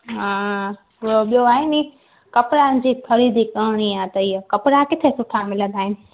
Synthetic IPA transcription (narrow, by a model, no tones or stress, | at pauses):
ɦã | oɓijoaːɦɪni | kɐpɾand͡ʑiːkʰɐɾiːd̪ʱikɐːɽ̃iaːt̪ɐiːəkɐpɾakɪt̪ʰesʊʈʰamɪlə̃nd̪aːɦɪnɪ̆